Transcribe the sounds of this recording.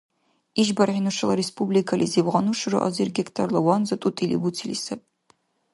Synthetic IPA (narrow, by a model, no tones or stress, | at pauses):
iʒbɐrħinuʂɐlɐɾespublikʰɐlʔḭziːbʁɐnuʂɨrɨʔɐ̰zirɡʲektʰɐrlɐwɑnzɐt̪ʼutʼilḭbutʰilisɐp̚ʼ